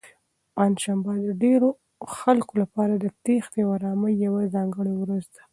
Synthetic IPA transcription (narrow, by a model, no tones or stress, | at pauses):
panʃambad̪əɖeɾo | xalkolapɑɾad̪ət̪exd̪ewaɾɑməjawazɑŋɡəɽewɾazd̪ḁ